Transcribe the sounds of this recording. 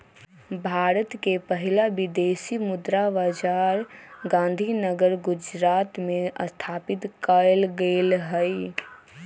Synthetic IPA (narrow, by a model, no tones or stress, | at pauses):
bʱaːɾət̪kepəɦɪlabɪd̪eːsimʊd̪ɾaʋad͡ʒaːɾɡãːn̆d̪ʱinəɡəɾɡʊd͡ʒɾaːt̪mẽʔəst̪ʰaːpɪt̪kəlɡeːlɦəɪ